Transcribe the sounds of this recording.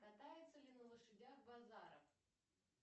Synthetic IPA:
kɐt̪ajɪt̪səlʲɪnəlˠəʂɨdʲaxbɐzaɾə̰f

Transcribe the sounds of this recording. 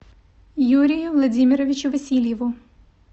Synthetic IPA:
juɾʲijʊʋlˠɐdʲimʲiɾɔʋʲit͡ʃʊʋɐsʲilʲjɛʋʊ

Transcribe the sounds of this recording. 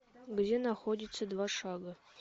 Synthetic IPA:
ɡdʲenaxodʲɪt̪səd̪vaʂɑɡə

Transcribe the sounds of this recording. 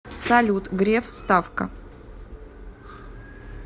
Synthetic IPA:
sɐlʲut̪ɡɾʲefst̪afkə̰

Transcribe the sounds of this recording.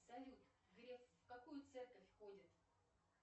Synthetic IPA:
sɐlʲut̪ | ɡɾʲeffkɐkujʊt̪sɛrkəfʲxodʲɪt̪

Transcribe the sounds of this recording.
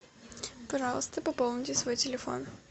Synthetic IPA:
pɐʐɑlˠəst̪əpɐpolˠnʲɪtʲɪsvo̞jtʲɪlʲɪfo̰n

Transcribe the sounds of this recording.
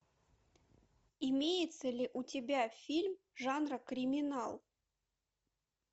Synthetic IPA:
imʲejɪt̪səlʲiʔutʲɪbʲafʲilʲm | ʐɑnrəkɾʲimʲɪnɑlˠ

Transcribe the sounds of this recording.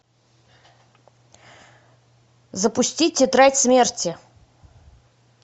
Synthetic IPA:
zəpʊsʲtʲitʲːɪt̪ɾatʲsmʲertʲɪ

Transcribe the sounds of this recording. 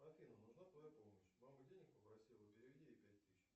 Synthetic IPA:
ɐfʲinənʊʐnat̪vɐjupoməɕmamɨdʲenʲɪk̚pəpɾɐsʲilˠəpʲɪɾʲɪvʲdʲiɪpʲæt̚ʲt̪ɨɕ

